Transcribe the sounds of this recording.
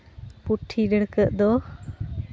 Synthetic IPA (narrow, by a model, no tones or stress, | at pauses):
puʈʰːiɖəɽkəʔd̪ɔ